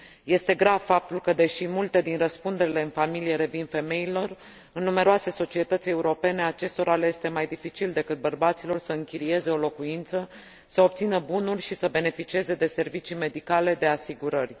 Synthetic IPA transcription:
je̞st̪e̞ɡɾavfap̚t̪ulkəd̪e̞ʃimult̪e̞d̪inrəspund̪e̞ɾile̞ɨnfamilije̞ɾe̞vinfe̞me̞ilo̞r | ɨnːume̞ɾoase̞so̞t͡ʃie̞t̪ət̪sʲe̞uɾo̞pe̞ne̞at͡ʃe̞st̪o̞ɾaleje̞st̪e̞majd̪ifit͡ʃild̪e̞kɨt̪̚bərbat̪silo̞rsəɨŋkʲiɾie̞ze̞o̞lo̞kuint̪sə | səo̞b̚t̪sinəbunurʲʃisəbe̞ne̞fit͡ʃie̞ze̞d̪e̞se̞rvit͡ʃime̞d̪ikale̞d̪e̞asiɡuɾərʲ

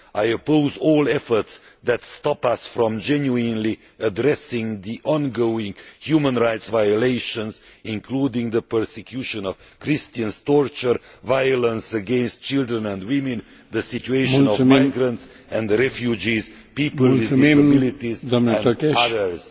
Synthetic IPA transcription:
ʔajopoʊzɔlˠɛfə˞ts | ðætstɑpasfɹɔ̃md͡ʒɛ̃njuɪ̃nli | ədɾɛsɪ̃ŋðiʔɔ̃nɡoʊɪ̃ŋhjumə̃nɹaɪtsvajəleɪʃə̃nzɪ̃nkʰludɪ̃ŋðəpə˞sɛkʰjuʃə̃nɔv̥kʰɾɪstə̃nz̥tɔɹt͡ʃə˞vajələ̃nsəɡɛ̃nst̚t͡ʃɪlˠdɹə̃nɛ̃ndwɪ̃mɨ̃n | ðəsɪt͡ʃueɪʃʃə̃nɔmaɪɡɾə̃nts | ɛ̃ndɾɛfjud͡ʒiz | pipəlˠwɪðdɪsəbɪlitizɛ̃naðəɹz̥

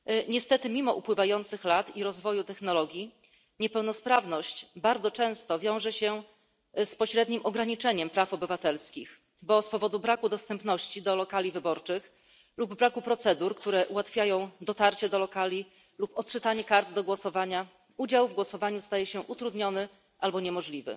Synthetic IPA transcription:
ɲɛst̪ɛt̪ɘmʲimɔʔupwɘvajɔnt̪sɘxlat̪iɾɔzvɔjut̪ɛxn̪ɔlɔɡʲji | ɲɛpɛwnɔspɾavnɔɕt͡ɕbaɾd̪zɔt͡ʂɛ̃w̃st̪ɔvʲjɔ̃w̃ʐɛɕɛ | spɔɕɾɛd̪ɲimʔɔɡɾaɲit͡ʂɛɲɛmpɾafɔbɘvat̪ɛlskʲix | bɔspɔvɔd̪ubɾakud̪ɔst̪ɛmpn̪ɔɕt͡ɕid̪ɔlɔkalʲivɘbɔɾt͡ʂɘx | lubːɾakupɾɔt̪sɛd̪uɾkt̪uɾɛʔuwat̪fʲjajɔ̃w̃d̪ɔt̪aɾt͡ɕɛd̪ɔlɔkalʲi | lupɔt̪̚t͡ʂɘt̪aɲɛkaɾd̪d̪ɔɡwɔsɔvaɲa | ud͡ʑawvɡwɔsɔvaɲust̪ajɛɕɛʔut̪ɾud̪ɲɔnɘ | ʔalbɔɲɛmɔʐlʲivɘ̰

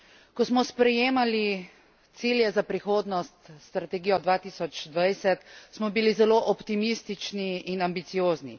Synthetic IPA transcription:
kɔsmɔspɾɛjeːmali | t̪siljɛzapɾixoːd̪nɔst̪st̪ɾat̪ɛɡiːjɔd̪ʋaːt̪iːsɔt͡ʃd̪ʋajsɛt̪smɔbilizɛloʔɔpt̪imist̪it͡ʃniinambit̪sijoːznḭ

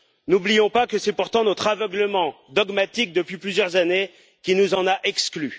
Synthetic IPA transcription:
nublijɔ̃pakəsɛpuʁt̪ɑ̃nɔt̪χavəɡləmɑ̃d̪ɔɡmat̪ik̚d̪əpɥiplyzjœʁzane | kʲinuzɑ̃naʔɛkskly

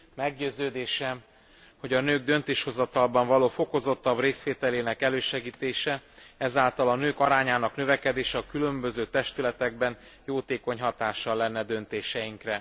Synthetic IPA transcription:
mɛɡɟøːzøːd̪eːʃɛm | ho̞ɟɒnøːɡ̚d̪ø̞nt̪eːʃho̞zɒt̪ɒlbɒɱvɒloːfo̞ko̞zo̞t̪ːɒbreːsʋeːt̪ɛleːnɛkɛløːʃɛɡiːt̪eːʃɛɛzaːlt̪ɒlɒnøːkɒɾaːɲaːnɒknø̞vɛkɛd̪eːʃɛɒkylø̞mbø̞zøːt̪ɛʃt̪ylɛt̪ɛɡ̚bɛn | joːt̪eːko̞ɲɦɒt̪aːʃɒlːɛnːɛd̪ø̞nt̪eːʃɛjiŋkrɛ

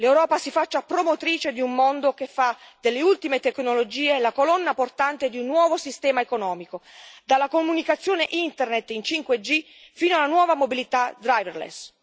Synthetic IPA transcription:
lewɾɔːpasifat͡ʃːapɾomot̪ɾiːt͡ʃed̪iumːond̪okefːad̪elːeult̪imet̪eknolod͡ʒiːelakolɔnːaport̪ant̪ed̪iunːwɔːvosist̪ɛːmaekonɔːmikod̪alːakomunikat̪sːjoːneʔint̪ernet̪ːint͡ʃiŋkwed͡ʒi | fiːnoalːanwɔːvamobilit̪ad̪ɾajverlḛs

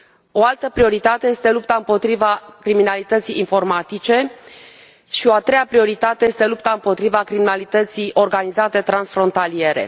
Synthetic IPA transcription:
o̞alt̪əpɾio̞ɾit̪at̪eje̞st̪e̞lup̚t̪aɨmpo̞t̪ɾivakɾiminalit̪ət̪sijːnfo̞rmat̪it͡ʃe̞ | ʃio̞at̪ɾe̞japɾio̞ɾit̪at̪e̞je̞st̪e̞lupt̪aɨmpo̞t̪ɾivakɾiminalit̪ət̪sijʔo̞rɡanizat̪e̞t̪ɾansfɾo̞nt̪alie̞ɾe̞̰

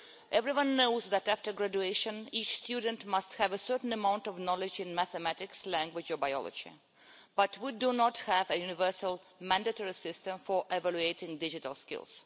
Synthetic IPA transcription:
ʔɛvɹiwʌ̃nːoʊzðætæftə˞ɡɹæd͡ʒueɪʃə̃nit͡ʃstjud̃n̩tmʌsthævəsɜ˞tn̩əmãʊ̃ntɔvnɔlɪd͡ʒɪ̃nmæθəmætɪkslæ̃ŋɡwɪd͡ʒɔbaɪɔ̰lˠɔ̰d͡ʒḭ | b̥ʌtʰwidunɔthævəjunɪvɜ˞səlˠ | mæ̃ndɨtɔɹisɪstə̃mfɔ˞ʔɛvælueɪtɪ̃ŋdɪd͡ʒɪtəlˠskɪ̰lˠz̥

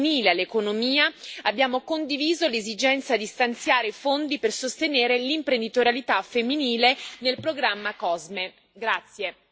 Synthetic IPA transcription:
niːlealːekonomiːaabːjaːmokond̪iviːzolezid͡ʒɛnt̪sad̪ist̪ant̪sjaːɾefond̪ipersost̪eneːɾelimpɾend̪it̪oɾjalit̪afemːiniːlenelpɾoɡɾamːakɔzme | ɡɾat̪sːje

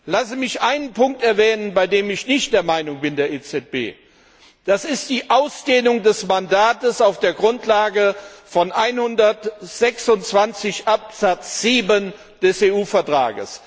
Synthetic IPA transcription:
lasəmɪçʔaɪnənpʊŋk̚tɛɐvɛːnənbaɪdeːmɪçnɪçt̚d̥eːɐmaɪnʊŋbɪndeːɐʔeːt͡sɛt̚b̥ḛː | d̥asɪstd̥iːʔaʊsd̥eːnʊŋdɛsmandaːtəsaʊfd̥eːɐɡʁʊntlaːɡəfɔnʔaɪnhʊndɐtz̥ɛksʊnt͡sv̥ant͡sɪçʔap̚z̥at͡sz̥iːbən | d̥ɛseːuːfɛɐtʁ̥a̰ːɡə̰s

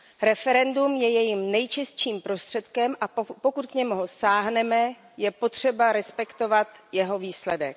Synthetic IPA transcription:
ɾɛfɛɾɛndumjɛjɛjimnɛjt͡ʃɪst͡ʃiːmpɾo̞st̪r̥ɛt̪kɛmʔapo̞kut̪kɲɛmuɦosaːɦnɛmɛ | jɛpo̞t̪r̝̥ɛbaɾɛspɛkt̪o̞vat̪jɛɦo̞viːslɛdɛ̰k

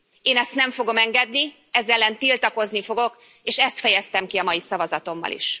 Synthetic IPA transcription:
eːnɛst̪nɛɱfo̞ɡo̞mɛŋɡɛd̪ni | ɛzɛlːɛnt̪ilt̪ɒko̞znifo̞ɡo̞k | eːʃɛst̪fɛjɛst̪ɛmkiɒmɒjisɒvɒzɒt̪o̞mːɒ̰lḭʃ

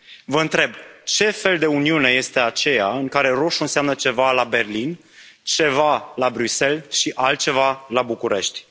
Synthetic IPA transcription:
vəɨnt̪ɾe̞bt͡ʃe̞fe̞ld̪e̞uniune̞je̞st̪e̞at͡ʃe̞jaɨŋkaɾe̞ɾo̞ʃuɨnseamnət͡ʃe̞valabe̞rlin | t͡ʃe̞valabɾyse̞lʃiʔalt̪̚t͡ʃe̞valabukuɾe̞ʃt̪ʲ

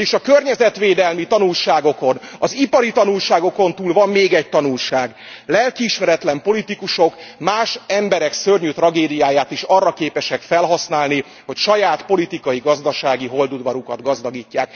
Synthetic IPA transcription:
eːʃɒkørɲɛzɛt̪ʋeːd̪ɛlmit̪ɒnulʃaːɡo̞konɒzipɒɾit̪ɒnulʃaːɡo̞ko̞nt̪uːlvɒmːeːɡɛc̚t̪ɒnulʃaːɡ | lɛlkiːʃmɛɾɛt̪lɛmpo̞lit̪ikuʃo̞kmaːʃɛmbɛɾɛksørɲyt̪rɒɡeːd̪ijaːjaːt̪iʃɒrːɒkeːpɛʃɛkfɛlɦɒsnaːlni | ho̞cʃɒjaːt̪po̞lit̪ikɒjiɡɒzd̪ɒʃaːɡiɦo̞ld̪ud̪ʋɒɾukɒd̪ɡɒzd̪ɒɡiːcːaːk̚

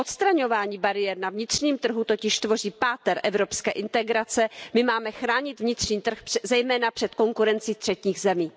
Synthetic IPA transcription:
ʔot̪st̪ɾaɲo̞vaːɲiːbaɾɪjɛɾnavɲɪt̪r̝̥ɲiːmt̪r̩ɦut̪o̞cɪʃt̪vo̞r̝iːpaːt̪ɛɾʔɛvɾo̞pskɛːʔɪnt̪ɛɡɾat͡sɛmɪmaːmɛxɾaːɲɪt̪vɲɪt̪r̥ɲiːt̪r̩xzɛjmɛːnapr̥ɛt̪ko̞ŋkuɾɛnt͡siːst̪r̥ɛcɲiːɣzɛmiː

